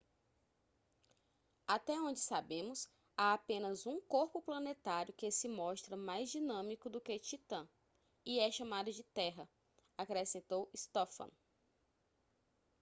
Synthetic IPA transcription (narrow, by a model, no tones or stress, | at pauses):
at̪ɛõd͡ʒɪsabẽmʊs | aapẽnɐzũkoɾpʊplɐ̃net̪aɾjʊkesɪmɔʃt̪ɾɐmajzd͡ʒinɐ̃mikʊd̪ʊket͡ʃit̪ɐ̃ | iɛʃɐ̃mad̪ʊd͡ʒɪt̪ɛɦɐ | akɾesẽnt̪owist̪ɔfɐ̰̃